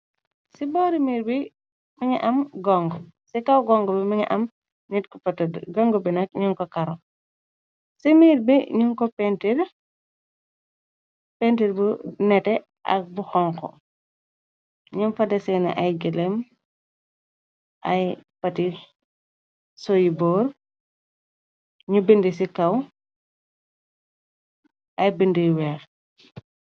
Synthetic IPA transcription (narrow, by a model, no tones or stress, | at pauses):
sibɔːɾimiːɾbi | miɲiʔɐmɡɔŋɡɔ | sikawɡɔŋɡɔbimiɲɛ̰ʔɐm | nitkɔpɐtɐdɡɔŋɡɔbinɐk̚ɲuŋkɔkɐɾɔ | simiːɾbiɲuŋkɔpɛntiɾ | pɛntiɾbunɛtɛ | ʔɐ̰k̚buxɔŋkɔ̰ | ɲunfɐdɛsɛnɐ̰ʔajɡɛlɛm | ʔajpɐti | sɔjibɔːɾ | ɲubəndis̬ikɐw | ʔɐjbəndijwɛːx